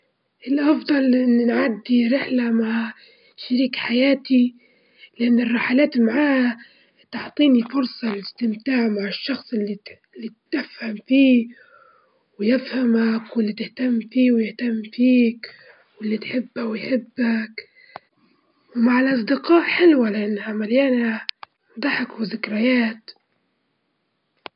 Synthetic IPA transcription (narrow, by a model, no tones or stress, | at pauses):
ʔɪlʔɑfd̪ˤɑlʔɪnːnʕad̪ːiɾɪħlamaʕ | ʃaɾiːkħajaːt̪i | lɪʔanːɪrˤːɑħalaːt̪maʕaːha | t̪ʊʕt̪ˤiːnifʊɾsˤɑlɪst̪ɪmt̪aːʕmaʕɪʃːɑxsˤɪlːi | lːit̪ːɪfhamfiː | wjɪfhamakwɪlːit̪ɪht̪amːfiːwjɪht̪amːfiːk | wɪlːit̪ħɪbːawjħɪbːak | wmaʕɪlʔɑs̬ˤd̪ɪqɑːʔħɪlwalɪʔanːhamaljaːna | d̪ˤɑħɪkwɪzɪkɾajaːt̪